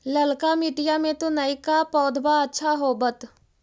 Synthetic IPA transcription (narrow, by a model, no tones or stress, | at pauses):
ləlkamiːʈijamẽt̪onəikapɔːd̪ʱbaɐtːʃʰaɦobət̪